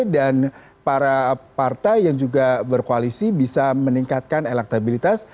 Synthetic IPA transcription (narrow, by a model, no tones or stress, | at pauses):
dan | paɾapart̪ajːaŋd͡ʒuɡabərkoalisibisaməniŋkat̪̚kanelak̚t̪abilit̪as